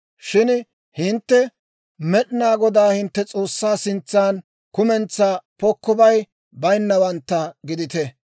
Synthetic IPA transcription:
ʃɪn | hɪnt̪ːɛ | mɛɗɪnaːɡɔd̪aːhɪnt̪ːɛt͡sʼo̞ːsːaːsɪnt͡sːaːn | kʊmɛnt͡sːaːpɔkːɔbɐj | bɐjnːɐwɐnt̪ːɐɡɪd̪ɪt̪ɛ

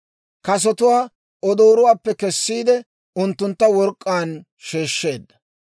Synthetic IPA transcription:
kɐs̬ɔt̪ʊwaː | ɔd̪oːɾʊwaːpːɛkɛsːiːd̪ɛ | ʊnt̪ːʊnt̪ːɐwɔɾkʼːaːn | ʃeːʃːe̞ːd̪ːɐ

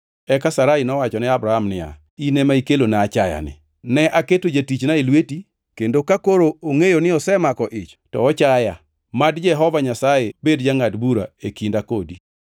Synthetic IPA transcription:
ɛkasaɾainɔwat͡ʃɔnɪabɾahamnɪa̰ | inemaikelonaːt͡ʃaja̰nɪ̰ | nɛʔaketod͡ʒatit͡ʃnailweti | kendokakoɾooŋejonɪɔsɛmakɔʔɪt͡ʃtɔ̰ːt͡ʃaja | madd͡ʒɛɦɔvaɲasajebedd͡ʒaŋatbuɾa̰ekindakodi

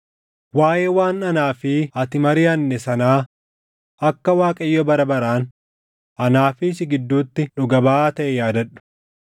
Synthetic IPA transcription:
waːʔeːwaːnɐnaːfɪɐt̪ɪmɐɾɪːɐnːɛsɐnaː | ʔɐkːɐwaːkʼɐjːɔbɐɾɐbɐɾaːn | ʔɐnaːfɪːsɪɡɪd̪ːuːt̪ːɪᶑʊɡɐbaːaːt̪ɐʔɛjaːd̪ɐᶑʊ̥

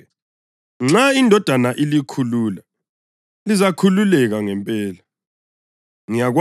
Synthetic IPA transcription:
ŋ͡ǁaindʱɔd̥ʱanaʔilikʰuluːla | lizakʰululɛɣaŋɛmpʼɛːla | ŋijaɣw

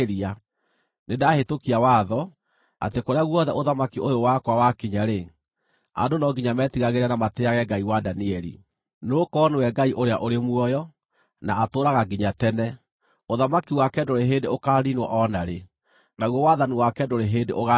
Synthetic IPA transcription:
ɾia | nedahetokiawaːðɔ | a̰tekoɾeaɣwɔðɛ̰ʔoðamakiʔojowakwawakiɲaɾe | a̰ndonɔɡiɲamɛtiɣaɣeɾɛnamateaɣɛɡaiwadaniɛɾḭ | nokɔnewɛɡaiʔoɾeaʔoɾemwɔjɔ | naːtoːɾaɣaɡiɲatɛnɛ | oðamakiwakɛdoɾeɦendeokaːɾinwɔ̰ʔɔnaɾe | naɣwɔwaðaniwakɛndoɾeɦeːndeʔoɣa

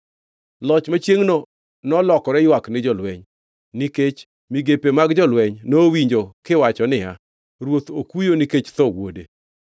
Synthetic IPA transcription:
lɔt͡ʃmat͡ʃjeŋno | nɔlɔkɔɾɛjwaknɪd͡ʒɔlwɛɲ | niket͡ʃ | miɡepemaɡd͡ʒɔlwɛɲnowiɲd͡ʒokɪwat͡ʃɔnɪa | ɾwot̪okujoniket͡ʃt̪ɔwo̰de

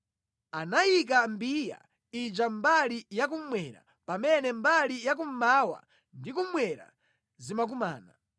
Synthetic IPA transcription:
anajik̬ambija̰ | id͡ʒambalijak̬um̩mwɛɾa̰ | pamɛnɛmbalijak̬um̩mawa̰ | ndikumwɛɾa̰ | zimak̬uma̰ːna

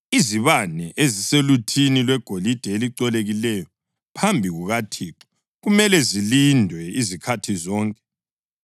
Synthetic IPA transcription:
iziβanɛʔeziselutʰinilwɛɡ̥ʱolid̥ʱɛeliǀɔleɣilɛjɔ | pʰambʱiɣuɣatʰiːǁɔ̥ | ɣumɛlɛzilindʱwɛizikʰatʰizɔːŋkʼɛ̥

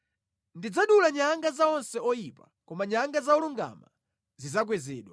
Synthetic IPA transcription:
ndid͡zaɗulaɲaŋɡazaɔnsɛɔjipa | kɔmaɲaŋɡazaɔluŋɡa̰ma | zizak̬wɛzɛ̰ːɗwa

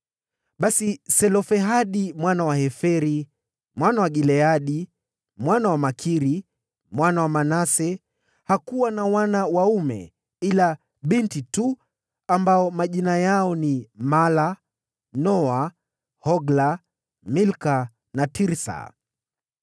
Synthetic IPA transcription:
ɓasisɛlɔfɛɦaɗimwanawahɛfɛɾi | mwanawaɡilɛaɗi | mwanawamakʰiɾi | mwanawamanasɛ | hakuwanawanawaumɛ̰ | ila | ɓintitu | ambaɔmaʄinajaɔnimala | nɔa | hɔɡla | milka | natiɾsa̰

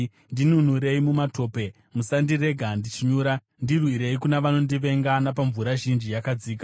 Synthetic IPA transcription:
ndinun̤uɾe̞imumato̞ːpe̞ | musandire̞ɡʱandit͡ʃiɲuːɾa | ndirwiɾe̞ikunaʋano̞ndiʋe̞ŋɡanapaɱvuɾaʒind͡ʒijakad͡ziːka

